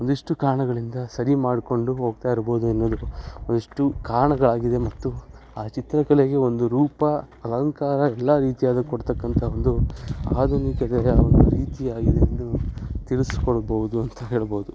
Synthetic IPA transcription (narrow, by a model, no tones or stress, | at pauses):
ond̪iʂʈukaːɾɳɐɡɐɭind̪ɐsɐɾimaːɽko̞ɳɖuɦo̞ːɡ̚t̪aːiɾbo̞ːd̪uɐnːoːd̪uond̪iʂʈukaːɾɳɐɡɐɭaːɡid̪e̞mɐt̪ːu | aːt͡ʃit̪ɾɐkɐɭeɡe̞o̞nd̪uɾuːpɐ | ɐlɐŋkaːɾɐɛlːaɾiːt̪ijaːd̪ɐkoɽt̪ɐkːɐnt̪ʰɐond̪uaːd̪ʱunikɐd̪ejɐond̪uɾiːt̪iaːɡid̪eɐnːut̪iɭuskɔɭɐbɐʋud̪uɐnt̪ɐɦeːɭboːud̪u